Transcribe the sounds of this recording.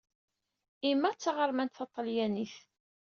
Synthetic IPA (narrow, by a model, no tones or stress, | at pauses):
imːæt͡sːaʁəɾˤmænt̪θɑt̪ˤːəljæniθ